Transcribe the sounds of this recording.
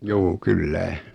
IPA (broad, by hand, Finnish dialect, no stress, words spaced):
juː kylːæ